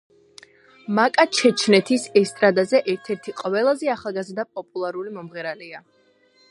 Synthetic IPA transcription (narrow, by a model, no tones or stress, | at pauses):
makʼat͡ʃʰɛt͡ʃʰnɛt̪ʰisɛst̪ʼɾad̪azɛʔɛɾt̪ʰɛɾt̪ʰiqʼvɛlˠazɛaχalˠɡazɾd̪apʼɔpʼulˠaɾulimɔmʁɛɾalia